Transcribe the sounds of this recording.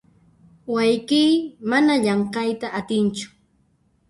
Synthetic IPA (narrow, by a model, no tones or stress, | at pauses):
wajkijmanaʎɑɴqɑjt̪aʔːt̪ɪnt͡ʃʊ̥